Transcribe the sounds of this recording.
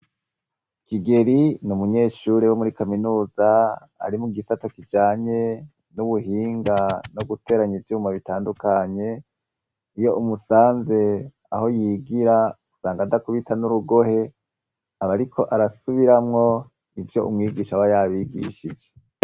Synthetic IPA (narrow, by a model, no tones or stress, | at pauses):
kiɡe̞ɾinumuɲe̞ːʃuːɾewomuɾikaminuːza | a̰ɾimuɡisatakid͡ʒaːɲe̞ | nuβuɦiːŋɡanoɡute̞ːɾaɲivjuːmaβitaːndukaɲe̞ | ijo̞ʔumusaːnze̞ | a̰ho̞jiːɡiɾaɡ̥u̥saːŋɡadakuβitʰanuɾuɡo̞he̞ | aβaɾikʰo̞ʔaɾasuβiɾamŋo̞ | ivjo̞̰ʔṵmŋiːɡiːʃawajaβiːɡḭʃid͡ʒe̞